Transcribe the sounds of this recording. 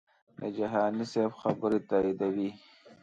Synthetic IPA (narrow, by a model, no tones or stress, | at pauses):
d̪ə̰d͡ʒaɦɑːnisebxabəɾit̪aːid̪awi